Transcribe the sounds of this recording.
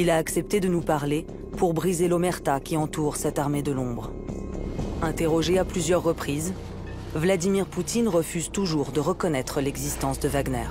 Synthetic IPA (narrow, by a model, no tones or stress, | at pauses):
ilaːksɛp̚t̪ed̪ənupaʁle | puʁbʁizelomɛʁt̪akʲiɑ̃t̪uʁsɛt̪aʁmed̪əlɔ̃bʁ | ɛ̃t̪eʁɔʒeaplyzjœʁːəpχiz | vlad̪imiʁput̪inʁəfyzt̪uʒuʁd̪əʁəkɔnɛt̪χəlɛɡzist̪ɑ̃sd̪əvaɡnɛ̰ːʁ